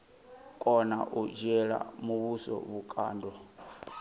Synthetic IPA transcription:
kʼɔna̰ʔud͡ʒɛɺa̰muβusɔ̰βukʼa̰ːndʱɔ

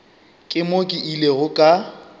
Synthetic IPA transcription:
kʼɪmokʼiʔileɣʊkʼa

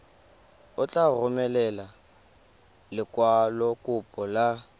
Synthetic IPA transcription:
ʊt͡ɬʼarʊmɛlɛla | lɪkʼwalɔkʼʊpʼɔla

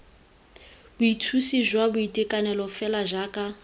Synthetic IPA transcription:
bʊitʰusiʒwabʊitʼikʼanɛlɔfɛlaʒaːkʼa

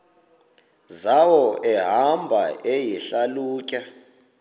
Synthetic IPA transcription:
zawɔɛɦambʱaʔejiɬaluːkʼa

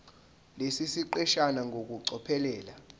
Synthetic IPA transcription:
lesisiǃɛʃanaŋʱok̬uǀɔpʰɛlɛːla

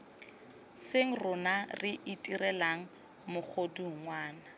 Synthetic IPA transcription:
seŋ̩rʊnarɪʔitʼirɛlaŋ̩ | mʊk͡xʰoduŋwaːna

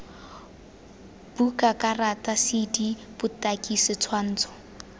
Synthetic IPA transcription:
b̥ukakʼaratasidib̥ʊtakʼisɪt͡sʰwan̩ːt͡sʰɔ̥

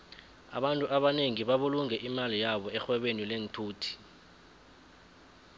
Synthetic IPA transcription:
a̰ɓantʼuʔaɓaneŋiɓaɓuluŋɛʔimalijaɓɔɛxwɛɓenilentʰuːtʰi̥

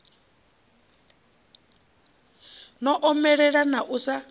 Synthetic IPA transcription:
nɔʔɔmɛɺɛɺanaʔusa

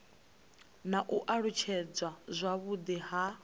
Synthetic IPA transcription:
naʔuʔaɺut͡ʃʰɛd͡zwazʷaβud̪iɦa

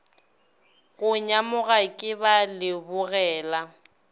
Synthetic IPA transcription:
ɣʊɲamʊɣakʼɪbalɪbʊɣɛːla

